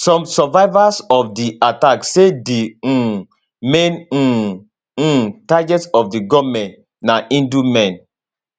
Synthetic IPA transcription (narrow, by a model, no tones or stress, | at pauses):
sɔ̃msɔvaɪvasɔfdiataksedi | mẽn̩ | taɡɛtsɔfdiɡɔmɛ̃nt | naʔĩndumɛ̃n